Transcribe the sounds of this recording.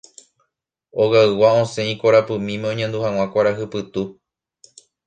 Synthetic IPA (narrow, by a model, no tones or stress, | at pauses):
oɣaɨwaõsẽ̞ĩkoɾapɨmĩmẽõɲẽnd̪uhãw̃ãkʷaɾaɦɨpɨt̪u